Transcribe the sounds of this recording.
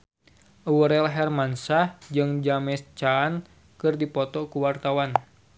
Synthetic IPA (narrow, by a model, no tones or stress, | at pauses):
ʔwəɾɛlɦɛrmansahd͡ʒɨŋd͡ʒamɛst͡ʃan | kɨrdipɔt̪ɔkuwart̪awan